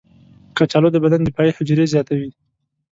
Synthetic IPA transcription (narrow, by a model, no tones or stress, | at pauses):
kat͡ʃɑlod̪əbad̪and̪əpɑjehʊd͡ʒɾezjɑt̪awi